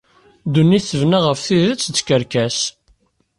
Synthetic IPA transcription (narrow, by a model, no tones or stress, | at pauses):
d̪unːiθəvnaʁəfθiðət͡sːt͡s̪ːkəɾkæs